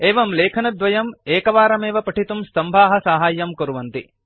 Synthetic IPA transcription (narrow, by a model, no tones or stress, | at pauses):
eːʋɐmleːkʰɐnɐd̪ʋɐjɐmeːkɐʋaːɾɐmeːʋɐpɐʈʰit̪umst̪ɐmbʱaːɦɐsaːɦaːjːɐmkɐɾuʋɐnt̪i